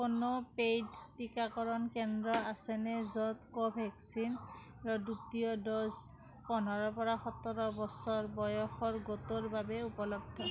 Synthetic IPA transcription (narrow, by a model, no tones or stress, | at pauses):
konopejdtikakɔɹɔnkɛndɹɔasɛnɛzɔt̪kɔbʱɛksin | ɹɔdutijɔdɔs | pɔn̤ʱɔɹɔpɔɹaxɔt̪ɔɹɔbɔsɔɹbɔjɔxɔɹɡot̪oɹbabɛupɔlɔb̚d̪ʱʰɔ